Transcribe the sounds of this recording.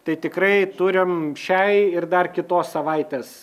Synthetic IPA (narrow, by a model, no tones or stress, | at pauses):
t̪ɐɪt̪ʲɪkrɐɪt̪ʊɾʲɪmʃʲɛɪɪrd̪ɐrkʲɪt̪oːssɐʋɐɪt̪ʲeːs